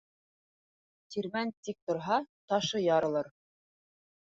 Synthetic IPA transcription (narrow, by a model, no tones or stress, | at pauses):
t̪iɾmænt̪ik̚t̪ŏɾɦɑt̪ɑʃɤjɑɾɤ̆lˠɤɾ